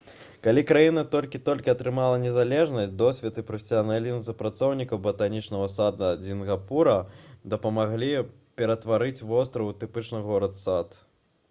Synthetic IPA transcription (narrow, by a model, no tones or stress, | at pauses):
kalʲikɾajinɐt̪ɔlʲkʲit̪ɔlʲkʲiɐt̪ɾɨmalˠɐnʲɛzalʲɛʐnɐsʲtʲd̪ɔsʲvʲɛt̪ɨpɾɐfʲɪ̥sʲijanalʲizms̬upɾat̪sɔwnʲikɐwbɐt̪anʲit͡ʂnɐɣɐsad̪ɐzʲinɣapuɾɐd̪ɐpɐmaɣlʲi | pʲɛɾɐt̪vaɾɨt͡sʲvɔst̪ɾɐwwt̪ɨpɨt͡ʂnɨɣɔɾɐt̪sat̪